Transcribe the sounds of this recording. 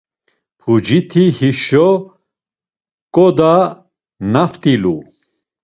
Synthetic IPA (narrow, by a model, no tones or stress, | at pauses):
pʰud͡ʒit̪ʰihiʃɔ | kʼɔd̪a | naft̪ʼilu